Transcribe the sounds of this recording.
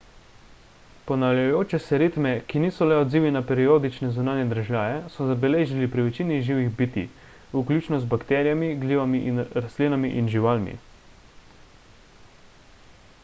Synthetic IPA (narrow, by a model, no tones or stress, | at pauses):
pɔnawljajoːt͡ʃɛsɛɾit̪mɛkiniːsɔlɛɔd̪ziːʋinapɛɾioːd̪it͡ʃnɛzunaːnjɛd̪ɾʒjaːjɛsɔzabɛleːʒilipɾiʋɛt͡ʃiːniʒiːʋiɣbit̪ḭ | uklʲuːt͡ʃnɔzbakt̪ɛːɾijamiɡliːʋamiʔinɾast̪liːnamiʔinʒiʋaːlmḭ